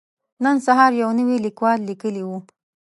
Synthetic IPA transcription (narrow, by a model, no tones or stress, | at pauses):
nənsaɦɑɾjawnəwilikwɑlːikəliwu